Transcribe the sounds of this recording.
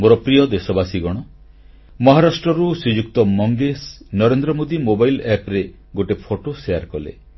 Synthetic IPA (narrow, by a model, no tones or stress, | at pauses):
moɾɔpɾijɔd̪esɔbasiɡɔɽ̃ɔ | mɔɦaɾasʈɾɔɾusud͡ʒukt̪ɔmɔŋɡesnɔɾend̪ɾɔmod̪imobajlɛpɾe | ɡoʈepʰoʈosejaɾkɔlḛ